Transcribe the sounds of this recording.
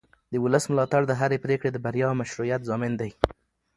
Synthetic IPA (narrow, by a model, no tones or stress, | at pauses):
d̪əwʊləsmʊlɑt̪aɽd̪əɦaɾepɾekɽed̪əbaɾjɑmaʃɾujat̪zɑmɪnd̪aj